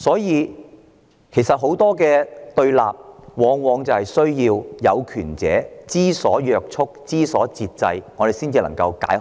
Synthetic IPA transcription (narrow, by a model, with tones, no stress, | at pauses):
sɔː˨˥jiː˨˧ | kʰe˨˩sɐ˨t̚ɦo˨˥wt̪ɔː˥k̬ɛː˧t̪ɵ˧ɥla̰ː˨p̚wɔː˨˧ŋwɔː˨˧ŋt͡sɐ˨whɐ˨jsɵ˥ɥjiː˧wjɐ˨˧wkʰyː˨˩nt͡sɛ̰ː˨˥t͡siː˥sɔː˨˥jœː˨˧k̚t͡sʰʊ˥k̚t͡siː˥sɔː˨˥t͡siː˧t̚t͡sɐ˧jŋɔː˨˧ɾe˨jsiː˥nt͡siː˨˧lɐ˨˩ŋkɐ˧wka̰ː˨˥j